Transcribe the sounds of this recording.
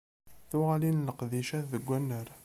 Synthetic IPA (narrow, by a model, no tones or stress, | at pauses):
θʊʁalinləqðiʃæθðəɡʷːænːəɾ